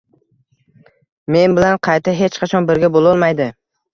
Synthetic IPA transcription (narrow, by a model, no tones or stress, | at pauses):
me̞nbɪlanqʰɑjt̪aɦe̞t͡ʃqʰɑt͡ʃʰɒnbɪɾɡʲabolˠɒlˠmajd̪ɪ